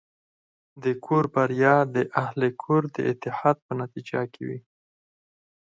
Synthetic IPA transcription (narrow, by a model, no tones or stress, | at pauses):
d̪əkʰoɾbaɾjɑd̪əʔahlekʰoɾd̪ə̰ɪt̪ːɪhɑd̪̚pənat̪id͡ʒakʰḛwi